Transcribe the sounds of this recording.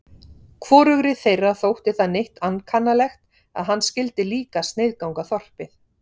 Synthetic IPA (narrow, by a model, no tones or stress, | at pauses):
kʰvɔːɾʏɣɾɪθejrːaθowht̪ɪθaðnejht̪ankʰanːalɛxt̪ | a̰ðɦanːscɪlt̪ɪliːkast̪nejðkawŋkaθɔr̥pɪθ